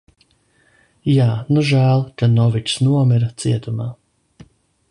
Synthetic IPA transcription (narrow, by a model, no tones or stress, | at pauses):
jaːnuʒæːlˠkanɔvit͡ʃsnuɔmiɾat̪siɛt̪umaː